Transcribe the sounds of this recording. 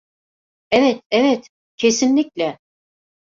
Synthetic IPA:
evet̪evet̪ | cʰesinlːʲicʲlʲɛ

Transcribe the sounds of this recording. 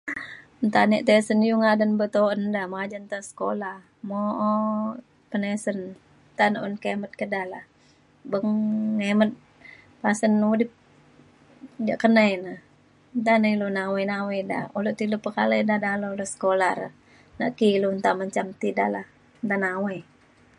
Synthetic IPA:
nt̪aniʔt̪esənjuŋadənbət̪oəndamad͡ʒant̪asə̥kolah | moʔɔ | pənesən | nt̪anəʔunkemət̪̚kədalah | bəŋemət̪̚ | pasənudip̚ | d͡ʒaʔkənajnə | nt̪anəilunawəjnaweda̰uləʔt̪ilupəkaləjdadaloləsə̥kolaɾ | na̰ʔkilunt̪aməɲt͡ʃamt̪ida̰lah | nt̪anawəj

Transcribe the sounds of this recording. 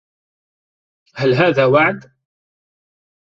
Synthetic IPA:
halɦaːðaːwaʕd̪

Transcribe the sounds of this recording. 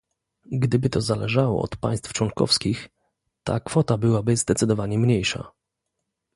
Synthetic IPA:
ɡd̪ɘbɘt̪ɔzalɛʐawɔ̰ɔ̰t̪pa̰j̃st̪ft͡ʂwɔŋkɔ̰fskʲix | t̪a̰kfɔt̪abɘwabɘzd̪ɛt̪sɘd̪ɔvaɲɛmɲejʂa̰

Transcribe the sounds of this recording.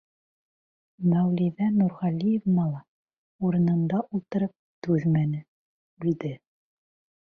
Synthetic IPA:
mæwlʲiðænuɾʁɑlʲijevmɑlˠɑ | uɾɤ̆nɤ̆nd̪ɑʔulˠt̪ɤ̆ɾɤp̚t̪ʉðmænɘ | bid̪ɘ

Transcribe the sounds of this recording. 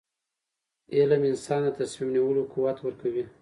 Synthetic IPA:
elamɪnsɑnd̪ət̪asmimniwəlokuwat̪wəɾkawi

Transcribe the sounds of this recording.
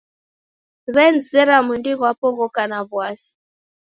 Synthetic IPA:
βɛnzɛɾamundiɣwapɔɣɔkanaβwasi̥

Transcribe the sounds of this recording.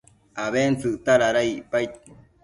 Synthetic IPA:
aβent͡sɨʔt̪aɾaɾaiʔpajt̪̚

